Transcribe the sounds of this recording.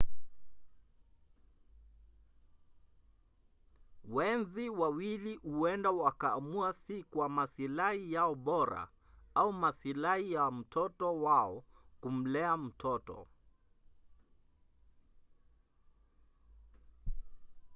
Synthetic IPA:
wɛnziwawilihuɛndawakaːmuasikwamasilahijaɔɓɔɾa̰ | aumasilahijam̩tʰɔtɔwaɔkum̩lɛam̩tʰɔtɔ̰

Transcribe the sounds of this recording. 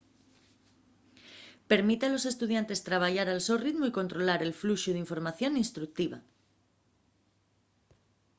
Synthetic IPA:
pe̞ɾmit̪ealo̞se̞st̪uð̞jant̪e̞st̪ɾaβ̞aʝaɾalsorit̪moiko̞nt̪ɾo̞laɾe̞lfluʃuð̞eiɱfo̞ɾmaθjo̞ninst̪ɾuk̚t̪iβ̞a

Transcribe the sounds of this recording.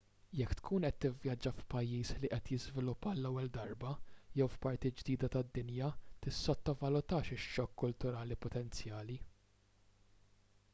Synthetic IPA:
jɛkːt̪kʰuːnʔɛt̪ːɪvjɐd͡ʒːɐfpɐjːiːsliʔɛt̪jɪzvɪlʊpːɐlːɛwːɛld̪ɐɾbɐjɛwfpɐɾt̪id͡ʒd̪iːd̪ɐt̪ɐd̪ːɪnjɐt̪ɪsːɔt̪ːɐvɐlʊt̪ɐːʃɪʃːɔkːʊlt̪ʊɾɐːlipɔt̪ɛnt͡sjɐːli

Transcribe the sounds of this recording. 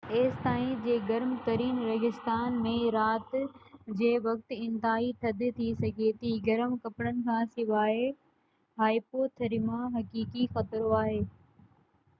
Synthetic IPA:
eːst̪aːĩd͡ʑeːɡɐɾmt̪ɐɾiːnɾɐɦɪst̪aːnmẽɾaːt̪d͡ʑeːʋɐk̚t̪ɪ̃nt̪aːit̪ʰɐd̪ʱet̪ʰisɐɡʱet̪iɡɐɾmkɐpɽənɪ̆kʰãːsɪʋaːe | ɦaːipoːt̪ʰɐɾimãɦɐkiːkixɐt̪ɾoaːɦeː

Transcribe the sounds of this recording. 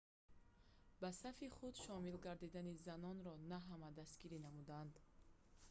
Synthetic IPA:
basafiχud̪ʃɔmilɡaɾd̪id̪anizanɔnɾɔnaɦamad̪ast̪ɡiɾinamud̪and̪

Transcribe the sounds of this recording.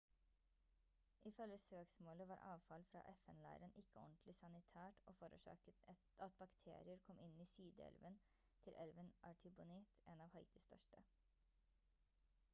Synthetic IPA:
ʔɪfœləsøːksmoːləʋɑːɾʔɑ̰ːʋfɑlfɾɑ̰ːʔɛfɛnlæ̰ɪɾənʔɪkʰːəɔnt̪ʰlɪsɑnɪt̪ʰæːʈoːfɔɾə̰ʃɑ̰ːkət̪ | ɑt̪̚bɑkt̪ʰḛːɾɪəɾkʰɔmʔɪniːsyːd̪ə̰ɛ̰lʋən | t̪ʰɪlʔɛlʋənʔɑʈʰɪbʊnɪːt̪ʔeːnɑːʋhɑɪt̪ɪst̪ʰœ̰ʃʈə

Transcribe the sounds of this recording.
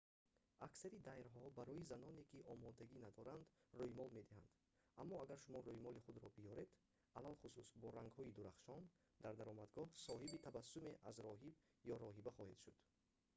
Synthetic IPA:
ʔaksaɾid̪ajɾɦɔbaɾɔizanɔne̞kiʔɔmɔd̪aɡinad̪ɔɾand̪roimɔlme̞d̪iha̰nd̪̥ | ʔamːɔaɡaɾʃumɔɾojimɔliχud̪ɾɔbijɔɾe̞d̪ | alalχususbɔɾaŋɡhɔid̪uɾaχʃɔn | d̪̥aɾd̪aɾɔmad̪ɡɔhsɔɦibit̪ʰavasːume̞ʔazɾɔɦib | jɔɾɔɦibaχɔhed̪̥ʃud̪̥

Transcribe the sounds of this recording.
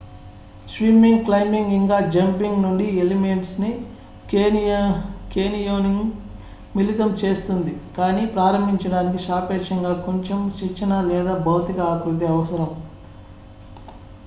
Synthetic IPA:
sʋiːmiŋɡklɐjmiŋɡiŋɡaːd͡ʒɐmpiŋɡnuɳɖielime̞ɳʈsni | keːnijoːniŋ | milit̪ɐmt͡ʃe̞ːst̪und̪ikaːniːpɾaːɾɐmbʱiɲt͡ʃɐɽaːnik̬iʃaːpɛːʂɐŋɡaːko̞ɲt͡ʃemt͡ʃɐt͡ʃːɐnɐlɛːd̪aːbɐwt̪ikɐaːkut̪iɐʋɐsɐɾɐm

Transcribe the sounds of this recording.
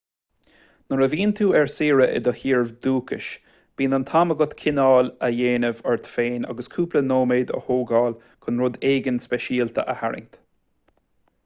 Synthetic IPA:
nəɾəviːnt̪ʰuːɛɹsiːɹəʔɪ̰d̪əhiːɹvd̪uːkʰɪ̰ʃ | b̥iːnənt̪ʰaməɡʊt̪kʰɪnɑːləjeːnəvɔɹt̪feːna̰ɡəskʰuːplənoːmeːd̪ə̰hoːɡɑːl | kʰʊnɾʊd̪eːɡənspɛʃiːlt̪ʰə̰ʔəhaɹɪ̰ŋt̪

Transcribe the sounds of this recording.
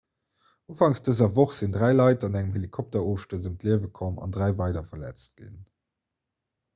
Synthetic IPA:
ʔoːfɑŋsd̥əzɐvoχz̥indʁæɪlɑɪtɑnæŋəmhelikʰɔp̚tɐoːfʃtəəzəmtliəvəkʰɔmɑ̰ndʁæɪvɑɪdɐfɐlæ̰t͡st̚ɡ̥ḭn

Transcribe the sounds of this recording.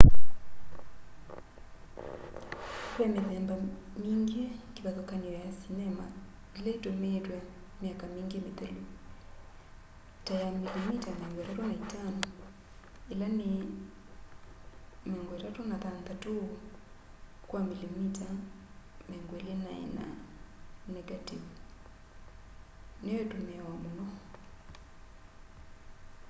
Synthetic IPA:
kwɛmeðɛmba | miŋɡikiβaðɔkaniɔjasinɛma̰ | ilaitometwa | miakamiŋɡimiðɛlu | tajamilimitameɔŋɡɛtatunaitanɔ | elanɪ | mɛŋɡweɾatonatanðato | kwamilimita | mɛŋɡwelenaɛ̰na̰ | nɛɡativu | neetomeawamonɔ

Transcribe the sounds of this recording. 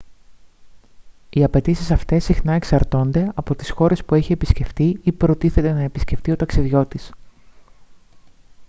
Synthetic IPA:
iɐpe̞t̪isisɐft̪e̞sːixnɐe̞ksɐɾt̪o̞nd̪e̞ɐpo̞t̪i̥sxo̞ɾe̞spueçiepisce̞ft̪iipɾo̞t̪iθe̞t̪e̞nɐe̞pisce̞ft̪io̞t̪ɐksiðʝo̞t̪is

